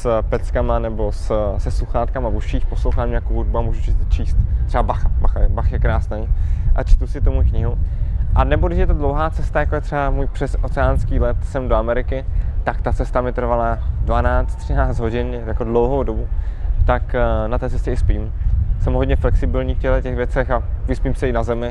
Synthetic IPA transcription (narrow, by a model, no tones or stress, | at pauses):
spɛt͡skamanɛbossɛsuxaːt̪̚kamabuʃiːxpo̞slowxaːmɲɛjakowɦudbuamuːʒut͡ʃɪt͡ʃiːst̪ːr̥ɛabaxabaxabaxjɛkɾaːsnɛjʔa̰t͡ʃt̪usɪt̪omujkɲɪɦuʔanɛbo̞ɡdɪʃ̬jɛt̪odlowɦaːtt͡sɛst̪ajakoɛt̪r̥ɛamuːjpr̥ɛsot͡sɛanskiːlɛt̪sɛmdoamɛɾɪkɪt̪akt̪at͡sɛst̪amɪt̪r̩valadvanaːt͡st̪ːr̝̥ɪnaːt͡sd̪ɦo̞ɟɪn | jakodlowɦowdo̞but̪aknat̪ɛːt͡sɛscɛɪspiːmsɛmɦodɲɛflɛksɪbɪlɲiːfcɛlɛcɛɣvjɛt͡sɛxavɪspiːmsɛɪnazɛmɪ